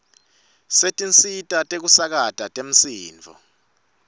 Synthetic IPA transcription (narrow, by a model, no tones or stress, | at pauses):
setʼint͡sʼitʼatʼek̬usak̬atʼatʼem̩siːnvʱɔ̰